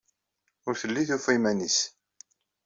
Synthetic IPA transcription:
ʊɾθəlːiθufimænis

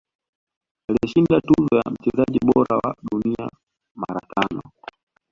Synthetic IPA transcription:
aliɛʃindatuzɔjam̩t͡ʃɛzaʄiɓɔɾawa̰ɗunia | maɾatʰanɔ

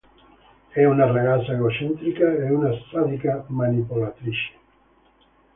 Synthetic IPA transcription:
ɛunareɣasaeɣot͡ʃent̪ɾikaeunast̪at̪ikamanipolat̪ɾiʃe̥

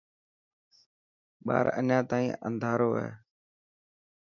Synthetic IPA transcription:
ɓa̰ːɾəɲãːt̪aːĩːʔə̰̃nd̪ʱaːɾoːɛ̰ː

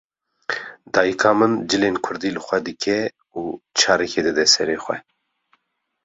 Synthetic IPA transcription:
d̪ɑːjɨkʰɑːmɨnd͡ʒɨleːnkʰʊɾd̪iːlɨxʷɛd̪ɨkʰɛ | uːt͡ʃʰɑːɾɛkʰeːd̪ɨd̪ɛsɛɾeːxʷɛ̰

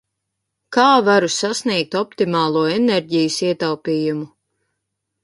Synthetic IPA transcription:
kaːvaɾusasniɛk̚t̪ɔpt̪imaːlˠuɔɛneɾʲɟijəsiɛt̪awpiːjumu

